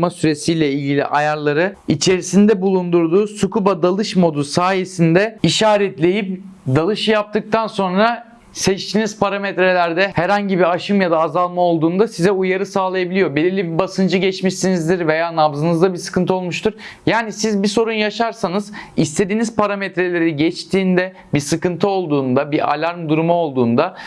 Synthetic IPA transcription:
masyɾe̞sijlʲɛilʲɟʲilʲḭʔajaɾlˠaɾɯit͡ʃʰe̞ɾisind̪ɛbulˠund̪uɾd̪uːsukubad̪alˠɯʃmo̞d̪usaːje̞sind̪ɛiʃaːɾɛt̪lʲe̞jip̚d̪alˠɯʃjap̚t̪ʰɯk̚t̪ʰanso̞nɾa | sɛt͡ʃt̪ʰinizpaɾamɛt̪ɾe̞lʲæɾd̪ɛhɛɾhaɲɟibiaʃɯmjad̪aːzalˠmao̞lˠd̪uːnd̪asizɛujaɾɯsaːlˠajabilʲijo̞belʲiɾlʲibibasɯnd͡ʒɯɟɛt͡ʃmiʃsinizd̪iɾve̞jaːnavzɯnɯzd̪abisɯ̥kɯnt̪ʰɯo̞lˠmuʃt̪ʰuɾ̥jaːnisizbiso̞ɾunjaʃaɾsanɯzist̪ʰe̞d̪iːnizpʰaɾamɛt̪ɾe̞lʲe̞ɾiɟɛt͡ʃt̪ʰiːnd̪ɛ | bisɯkɯnt̪ʰɯo̞lˠd̪uːnd̪abiʔa̰lʲaɾmd̪uɾumuo̞lˠd̪uːnd̪a

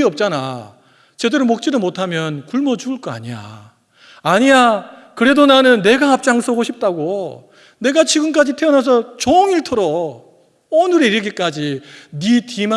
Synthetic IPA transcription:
iʌp̚t͡ɕ͈ana̰ | t͡ɕe̞dɯɾɯmok̚t͡ɕ͈idomotʰamjʌnkuɭmʌt͡ɕuɯɭk͈ʌa̰ɲija̰ | aɲija | kɯɾe̞donanɯnːe̞ɡahap̚t͡ɕ͈aŋs͈ʰʌɡoɕʰip̚t͈aɡo | ne̞ɡat͡ɕiɡɯnk͈ad͡ʑitʰe̞ʌnas̬ʰʌt͡ɕoŋiɭtʰɯɾo | onɯɾeiɾɯɭɡik͈ad͡ʑinitima

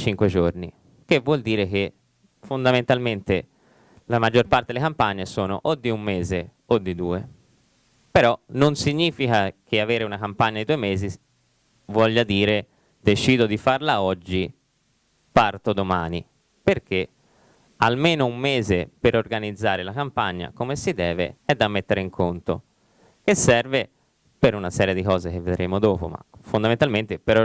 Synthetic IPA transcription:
t͡ʃiŋkwed͡ʒornḭ | k̟evwɔld̪iːɾeke | fond̪ament̪alment̪e | lamad͡ʒːorpart̪ed̪elekampaɲːesoːno̰ʔod̪ːiumːeːze | od̪ːid̪uːe | peɾɔnonsiɲːiːfikakʰeaveːɾeunakampaɲːad̪id̪uemeːzi | vwɔʎːad̪iːɾe | d̪̥et͡ʃiːd̪od̪ifarlaɔd͡ʒːi | part̪od̪omaːni | perk̟e | almeːnoumːeːzepeɾorɡanid̪zːaːɾelakampaɲːa̰komesid̪ɛːvḛɛd̪ːamːet̪ːeɾeiŋkʰont̪o̰ | kesːɛrve | peɾunasɛːɾjed̪ikɔːzek̟evːed̪ɾemod̪oːpo̰ma̰fond̪amẽnt̪alment̪epeɾ

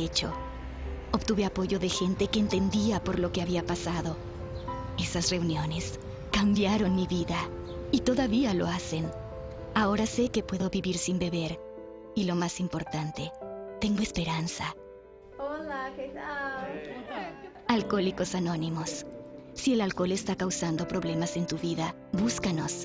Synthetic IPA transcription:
et͡ʃo̞̰ | oβt̪uβe̞apo̞ʝo̞ðe̞xe̞nt̪e̞ke̞ːnt̪e̞nd̪iapo̞ɾlo̞ke̞aβiapasaðo̞ | e̞sasre̞unjo̞ne̞s | kambjaɾo̞nmiβiðait̪o̞ðaβialo̞̰ase̞n | ao̞ɾase̞ke̞pwe̞ðo̞βiβiɾsimbe̞βe̞ɾ | ilo̞masimpo̞ɾt̪ant̪e̞t̪e̞ŋɡo̞espe̞ɾansa | ol | alko̞liko̞sano̞nimo̞sː | ielalko̞le̞st̪akawsand̪o̞pɾo̞βle̞mase̞nt̪uβiða | βuskano̞s

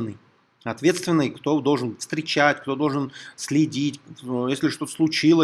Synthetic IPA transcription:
nːəj | ɐt̪vʲe̞t̪st̪vʲɪnːəkt̪o̞d̪o̞lˠʐɨnfst̪ɾʲɪt͡ɕætʲkt̪o̞d̪o̞lˠʐɨnsʲlʲɪdʲitʲjesʲlʲɪʂt̪o̞t̪ə̥slˠʊt͡ɕilˠə

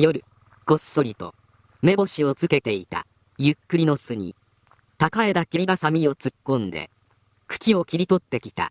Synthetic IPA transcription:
jo̞ɾɯ̟ | ɡ̥o̞sso̞ɾʲit̪o̞̰ | me̞bo̞ɕio̞t͡sɨke̞t̪e̞it̪a̰ | jɯkːɯ̟ɾʲino̞sɨɲ̟ḭ | t̪akae̞d̪akʲiɾʲibasamʲio̞t͡sɨkːõ̞nd̪e̞̰ | kɯ̟̥kʲio̞kʲiɾʲit̪o̞t̪ːe̞kʲi̥t̪a̰

